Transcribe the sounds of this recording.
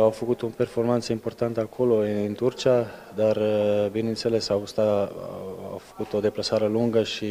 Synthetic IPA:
awfəkut̪upe̞rfo̞rmant̪səimpo̞rt̪ant̪əakʰo̞lo̞ɨnt̪urt͡ʃia | d̪arəbinent̪se̞lesawst̪a | a̰wfə̥kut̪o̞d̪e̞plasaɾeluŋɡəʃi

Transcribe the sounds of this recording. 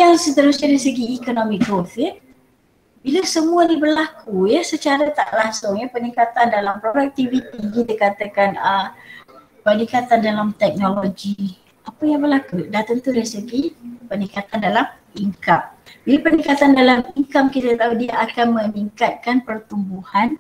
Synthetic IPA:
jaŋsət̪əɾusɲadaisəɡiːkonomikɡofi | bilasəmuanibərlakujəsət͡ʃaɾat̪a̰ʔlaŋsʊŋjapənikat̪andalampɾodak̚t̪ivit̪iɡit̪əkat̪akanə | pənikat̪andalamt̪ɛk̚noloɡi | apajaŋbərlakudaht̪ənt̪uɾaisəɡipənikat̪andalam | iŋkambilapənikat̪andalamiŋkamkit̪at̪audiaakanmə̃niŋkat̪̚kanpərt̪umbuhan

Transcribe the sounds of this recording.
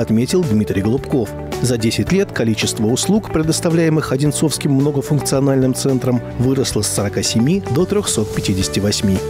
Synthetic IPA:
ɐt̪mʲetʲɪlˠd̪mʲit̪ɾʲɪjɡəlˠʊpko̞f | zɐdʲesʲɪtʲlʲet̪kɐlʲit͡ɕɪst̪vəʊslˠukpɾʲɪd̪əst̪ɐvlʲæjɪmɨxɐdʲɪnt̪so̞fskʲɪmːno̞ɡəfʊnkt̪sɨɐnalʲnɨmt̪sɛnt̪ɾəm | vɨɾəslˠəsːəɾɐkasʲɪmʲid̪o̞t̪ɾʲoxso̞t̪̚pʲɪtʲidʲɪsʲtʲɪvɐsʲmʲi

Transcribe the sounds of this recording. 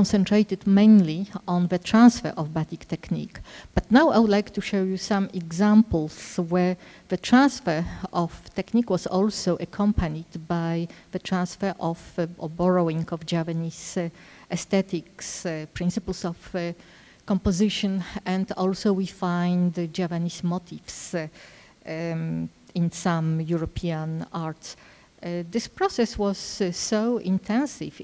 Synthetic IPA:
kɔ̃nsɛ̃ntɹejt̪ɨd̪mẽɪ̃nliɔ̃nðət̪ɹãnsfɛ̰ɹʔɔvbat̪ikt̪ɛknḭkb̥at̪nawa̰jwud̪lajkt̪uʃojusãmɛɡzãmpl̩swɛɹðətʰɹãnsfɛɹɔft̪ɛknikwɔsɔlsoʊʔakʰɔ̃mpʰanid̪bajðət̪ʰɹãnsfɛɹʔɔvbɔɹoĩŋɡɔvd͡ʒɛapanis | ʔɛst̪ɛt̪ikspɹĩnsɨpəl̩sɔf | kɔ̃mpɔzɪʃɔ̃nɛ̃nd̪ɔlsowwifãjnd̪d͡ʒɛpanismɔt̪ʰifs | ĩnsãmjuɹɔpʰiãnaɹt̪s | d̪ɪspɹɔsɛswɔz̥ːoʊĩnt̪ʰɛ̃nsɪ̰v

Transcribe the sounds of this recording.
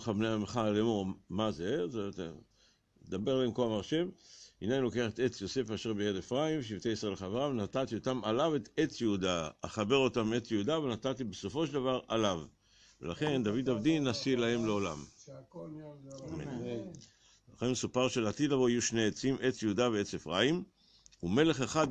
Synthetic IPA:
χabneamχalemomazezt̪ | ed̪abe̞ʁlaemkoamaʁʃemhinainlo̞keaχet̪e̞t͡sjo̞se̞faʃeʁbejedefʁaimvʃ̬ivteisʁeleχaveʁavenat̪at̪io̞tamalave̞t̪e̞t͡sjeudaaχabe̞ʁo̞tame̞t͡sjeud̪avenat̪at̪ibeso̞fo̞ʃeld̪avaʁalav | velaχe̞nd̪avid̪avd̪inasilahe̞mleo̞la̰m | me | elaχenmesupaʁʃelat̪id̪lavoijuʃneet͡simʔe̞t͡sjeud̪aveet͡sefʁaim | ume̞le̞χeχad̪

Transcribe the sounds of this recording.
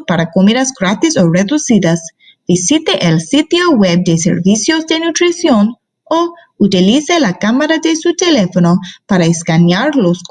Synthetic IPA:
paɾakomiðasɡɾat̪isoreðusiðas | b̥isit̪eʔelsit̪joweb̚d̪esḛɾvisjozd̪e̞nut̪ɾisjon | o | ut̪iliselakamaɾad̪esut̪elefonopaɾaeskanjaɾlosk

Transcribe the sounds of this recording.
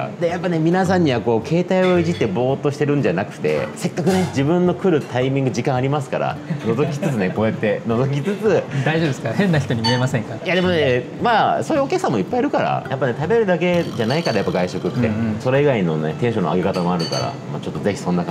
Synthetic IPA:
d̪ejapːane̞mʲinas̬ãɲ̟ːiβako̞ːkʰe̞ːt̪aio̞iʑit̪ːe̞bo̞ːt̪ːo̞ɕi̥t̪eɾɯ̟̃ɲ̟d͡ʑanakɯ̟̥t̪e̞̰se̞kːakɯ̟ne̞d͡ʑibɯ̟̃nːo̞kɯ̟ɾɯ̟t̪aimʲĩŋɡɯ̟d͡ʑikãɰ̃aɾʲimasɨ̥kaɾa̰no̞zo̞kʲi̥t͡sɨt͡sɨne̞ko̞e̞t̪ːe̞no̞zo̞k̬ʲit͡sɨt͡sɨd̪aiʑo̞bd̪esɨ̥kahẽnːaçi̥t̪oɲ̟imʲie̞masẽŋkajad̪e̞mo̞ne | maːso̞ːjɯokʲakɯ̟sãmːo̞ipːaiɾɯ̟kaɾa̰japːane̞t̪abe̞ɾɯ̟d̪ak̬e̞d͡ʑanaikaɾajapːaɡaiɕo̞kɯ̟t̪ːeso̞ɾe̞iɡainonet̪ẽɕo̞no̰aɡʲe̞kat̪amo̞aɾɯ̟ka̰ɾa̰ma̰t͡ɕo̞t̪ːo̞ze̞çi̥sõ̞nːa

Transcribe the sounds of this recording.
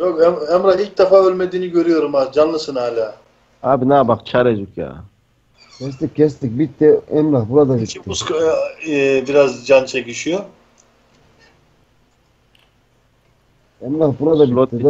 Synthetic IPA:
jokɛɛmɾailk̚d̪afaølʲmed̪iniɡøɾyjoɾumad͡ʒanlˠɯsɨnaːlʲa | abinaːbakt͡ʃʰaɾed͡ʒukja̰ | kʰes̬t̪ikʲʰːes̬t̪ik̚bit̪ːeemɾahpuɾad̪abitt̪ːeusk | biɾazd͡ʒant͡ʃʰekiʃijo | emɾaɦpuɾad̪abit̪ːe

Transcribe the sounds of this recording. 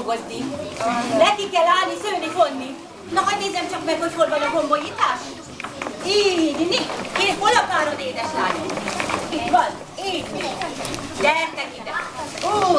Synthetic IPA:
ɡozni | nɛkːikɛlaːlnisøːnifonːi | nɔɦɒɟʲneːzɛmt͡ʃɒkmɛkhocfolbɒnɒɡombojit̪aːʃ | iːdnikeːfolɒpaːɾoneːd̪ɛʃlaːniit̪bɒl | eːni | d̪ɛrt̪ɛkid̪ɛoː

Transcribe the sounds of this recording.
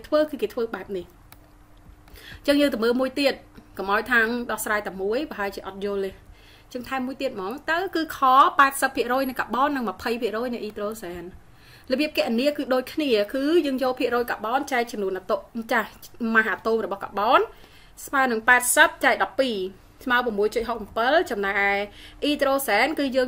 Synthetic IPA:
t̪ʰʋəːkɨːkeːt̪ʰʋəːɓaɛp̚nih | t͡ɕəŋjəːŋt̪ɨməːlmuəjt̪iət̪̚kɑmʔaɔwjt̪ʰaːŋɗɑhsraːjt̪amuəjpaɦaɛlt͡ɕiəʔɑt̪̚jʊ̆əlːeh | t͡ɕəŋt̪ʰaɛmːuəjt̪iət̪̚mɑːŋt̪awkɨːkʰɑːpaɛt̪̚səpʰːiəʔrɔːjnɨjka̰ɓɑːnːɨŋməpʰəjpʰiəʔrɔːjnɛ̆ʔiːt̪roːsaːn | lɔɓiəp̚kɛəʔniəkɨːɗoːc̚kʰniəkɨːjəːŋjoːlpʰiəʔrɔːjkaɓɑːnt͡ɕaɛk̚t͡ɕɑmnuənʔat̪oʔt͡ɕahmaɦʔaːt̪oːmrɔɓɑhka̰ɓɑːn | smaənɨŋpaɛt̪̚səp̚t͡ɕaɛk̚ɗɑpːiː | sʰmaəpămːuəjt͡ɕut̪̚ɦok̚mpɨlt͡ɕɑmnajʔaɛʔiːt̪roːsaːnkɨːjəːŋ

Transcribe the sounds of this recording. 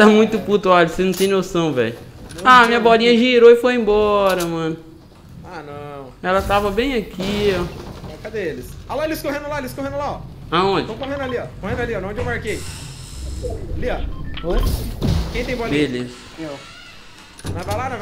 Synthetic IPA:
t̪amũj̃t̪ʊput̪ɐɔʎɐsenũt̪ẽj̃nosɐ̃w̃vɛ̰ʎʊ̃amĩɲɐbɔlĩɲɐʒiɾoɪfojẽbɔɾɐmɐ̃nʊ | anɐ̃w̃ɛlɐt̪avɐbẽj̃akiɔɔkɐd̪eelɪsalɔeliskoɦẽnʊlaeliskoɦẽnʊlaɔ | aõd͡ʒɪ̃w̃koɦẽnʊaliɔkohẽnʊaliɔõd͡ʒewmaɾkej | liɐod͡ʒkẽj̃t̪ẽj̃bɔliɲeliz | mew | m̃vajlanɐ̃v

